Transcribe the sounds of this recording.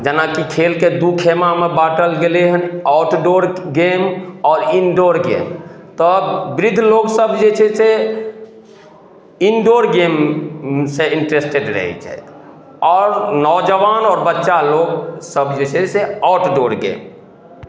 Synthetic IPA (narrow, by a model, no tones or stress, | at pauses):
d͡ʒənakikʰelked̪ukʰemamebaʈəlɡeleɦənɔʈɖoɾɡemɔːɾinɖoɾɡḛmt̪ɔbɾid̪ʱloɡsəbd͡ʒet͡ʃʰɛse | inɖoɾɡem | seiɳʈɾesʈeɖɾə̰ɦɛ̰t͡ʃʰɛ̰ | ɔːɾnɔd͡ʒəʋanɔːɾbətːʃaloɡsəbd͡ʒet͡ʃʰɛseɔʈɖoɾɡḛm